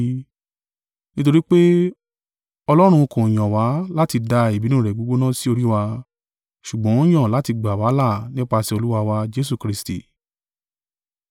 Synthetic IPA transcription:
nĩ˦t̬o˧ɾi˦k͡pe˦ | ɔ˧lɔ˦ɾ̃ũ˧kũ˨j̃ɔ̃˨wa˨˦la˦ti˧da˧i˨bi˨˦nũ˦˨ɾɛ˨ɡ͡bo˨˦ɡ͡bo˦nã˦si˦o˧ɾi˦wa˧ | ʃu˨ɡ͡bɔ̃˨˦j̃ã˦˨la˨˦ti˧ɡ͡ba˨wa˨˦la˦˨nĩ˦k͡pa˧si˧o˧lu˦wa˧wa˧d͡ʒe˦s̬u˦˨kɾi˦stḭ˨

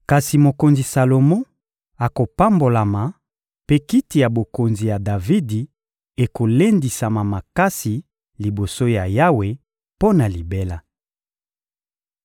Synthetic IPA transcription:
ka˨si˨mo˨ko˨nzi˨sa˨lo˨mɔ̃˦ | a˨ko˨pa˦mbo˨la˨ma˨ | pe˦ki˦ti˨ja˨bo˨ko˨nzi˨ja˨da˨vi˦di˨ | e˨ko˨le˦ndi˨sa˨ma˨ma˨ka˦si˨ | li˨bo˨so˦ja˨ja˦we˨ | po˦na˨li˨be˦la˦

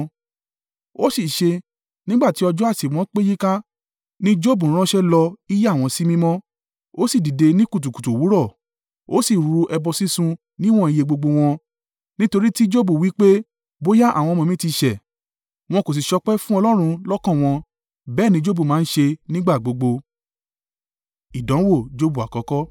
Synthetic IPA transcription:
o˦si˦˨ʃe˧ | nĩ˦ɡ͡ba˦˨ti˨˦ɔ˧d͡ʒɔ˦a˦˨si˨w̃ɔ̃˨˦k͡pe˦ji˦ka˦ | nĩ˦d͡ʒo˦˨bũ˨˦ɾ̃ã˦ʃɛ˦lɔ˧i˦je˦˨w̃ɔ̃˧si˦mĩ˦mɔ̃˦ | o˦si˦˨di˨de˧nĩ˦ku˦˨t̬u˨ku̥˨tu˨wu˨˦ɾɔ˦˨ | o˨˦si˦˨ɾu˧ɛ˧bɔ˧si˦sũ˧ | nĩ˦w̃ɔ̃˦i˨˧je˧ɡ͡bo˧ɡ͡bo˧w̃ɔ̃˧ | nĩ˦to˧ɾi˦ti˦d͡ʒo˦bu˦˨wi˨˦k͡pe˦ | bo˦ja˦ʔa̰˦˨w̃ɔ̃˧mɔ̃˧mĩ˦ti˧ʃɛ˨ | w̃ɔ̃˧ko˨s̬i˨ʃɔ˧˦k͡pɛ˦fũ˦ɔ˧lɔ˦ɾ̃ũ˧lɔ˦kã˦˨w̃ɔ̃˧ | bɛː˦˨nĩ˧˦d͡ʒo˦bu˦˨mãː˨˦n̩˦ʃe˧nĩ˦ɡ͡ba˦˨ɡ͡bo˨˧ɡ͡bo˧ | i˨dɔ̃˨˦wo˦˨d͡ʒo˦bu˨a̰˨kɔ˨˦kɔ˦

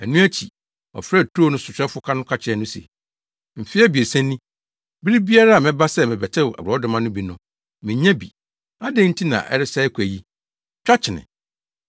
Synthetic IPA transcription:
æ˨nũ˦æ˦t͡ɕʰi˨ | ɔ̰˨fɾɛ˦˨tʰːnʊ̃˦sʊ˨t͡ɕᶣɾɛ˦fʊ˦kʰa˦nʊ̃˦kʰa˦t͡ɕʰɪ˨˦ɛ˨˦nʊ̃˦sḛ˨ | m̩˨fɪ˦ɛ˦bi˨e˨sæ̃˦nːĩ˦ | bi˦ɾi˦bi˦a˦ɾa˦a˨mɪ̃˦ba˦sɛ˦˨mɪ̃˨bɛ˨tʰɛ˦˨ʔa̰˨bɾɔ˦dʊ̃˨mã˦nʊ̃˦bi˨nʊ̃˨ | mɪ̃˨ɲɛ̃˦bḭ˨ | a˦dɛ̃˦n̩˦tʰi˦nã̰˨ʔɛ̰˦ɾɪ˦sa˦ɛ˦kʰʷæ˨ji˦ | t͡ɕᶣa˦t͡ɕʰɪ˨nɪ̰̃˨

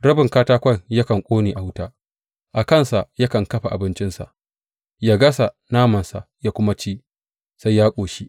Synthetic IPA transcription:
ɽɐ˦bɪ˨ŋkaː˦taː˦kʷɐ˦˨ŋja˦kɐ˨ŋkʷʼoː˦neː˨ʔa˨hwʊ˦taː˦ | ʔa˨kɐ˦˨nsa˨ʔja˦kɐ˨ŋkɐ˦ɸa˨ʔa̰˨bɪ˦nt͡ʃɪ˦nsa̰˨ʔ | jaː˦ɡɐ˦sa˨ | naː˦mɐ˨nsa˨ʔjaː˦kʷʊ˦ma˦t͡ʃeː˦ | sa˦jjaː˦kʷʼoː˨ʃi˦

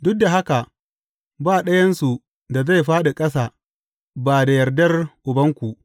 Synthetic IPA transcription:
dʊ˦k̚da˨ɦa˦ka˨ | baː˦˨ɗɐ˦jɐ˦nsu˨ | da˨za˦˨jɸaː˦ɗe˨kʼɐ˦s̬aː˨ | baː˨da˨jɐ˨rdɐ˦rʔʊ˨bɐ˦ŋkʷu˨ʔ

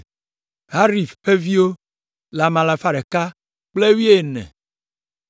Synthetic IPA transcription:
ɦa˦ɾi˨fɸe˦vi˦wo˦ | la˨mã˨la˨fa˦ɖe˨ka˦ | k͡ple˦wi˦e˦˨nɛ̰̃˨

